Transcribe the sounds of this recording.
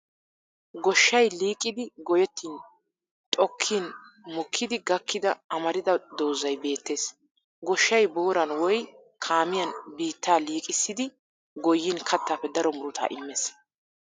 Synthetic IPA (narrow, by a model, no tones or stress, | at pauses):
ɡɔʃːɐjliːkʼːɪd̪ɪɡɔjɛt̪ːiːn | t̪ʼɔkʰːinmɔkʰːɪd̪ɪɡɐkʰːɪd̪ɐɐmɐɾɪd̪ɐd̪oːzɐjbe̞ːt̪ːe̞ːs | ɡɔʃːɐjboːɾɐnwɔj | kʰaːmɪjɐnbiːt̪ːaːliːkʼɪsːɪd̪ɪ | ɡɔjːinkʰɐt̪ːaːpːɛd̪ɐɾɔmʊɾʊt̪a̰ːʔɪmːeːs